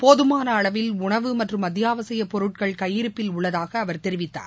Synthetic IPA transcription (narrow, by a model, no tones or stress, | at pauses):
poːðɯmaːnɐːɭɐʋɪlʊɳɐʋɯmɐʈrɯmɐd̪ɪjaːʋɐsɐjɐpɔɾɯʈ̚kɐɭkɐjːɪɾɯpːɪlʊɭːɐðaːɣɐːʋɐɾt̪ɛɾɪʋɪt̪ːa̰ːɾ